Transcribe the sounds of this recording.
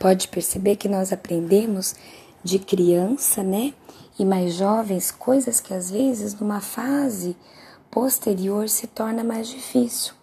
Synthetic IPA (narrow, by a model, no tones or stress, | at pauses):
pɔd͡ʒɪpeɾsebeɾkɪnɔzapɾẽnd̪ẽmʊz | d͡ʒɪkɾiɐ̃sɐnɛɪmajzʒɔvẽj̃skojzɐskɪazvezɪznũmɐfazɪ | post̪eɾioɾsɪt̪ɔɾnɐmajzd͡ʒifisiw